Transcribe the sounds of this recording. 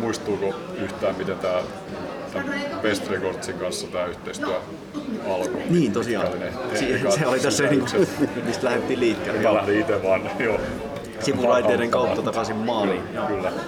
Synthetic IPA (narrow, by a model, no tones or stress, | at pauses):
muist̪uːkoyht̪æːmmit̪ent̪æː | t̪æmpest̪rekort̪siŋkɑnsːɑt̪æːyht̪eist̪yæ | ɑlkoniːnt̪osiɑ̰ːenet̪ːsiːsseolit̪æsːæniːŋkumist̪læhet̪ːiːliːkːeːleælæhliit̪eʋɑn | joː | simulɑit̪eːɾeŋkɑut̪ːɑt̪ɑkɑsimmɑːliːjɑkylːæ